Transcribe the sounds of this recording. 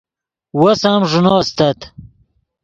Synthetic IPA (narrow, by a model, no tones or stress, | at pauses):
wɐsaːmʐunoːst̪ɐt̪